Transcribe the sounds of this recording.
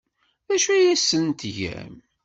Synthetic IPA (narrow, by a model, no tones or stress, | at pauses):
ðæʃujæsːənt̪ʝæ̰m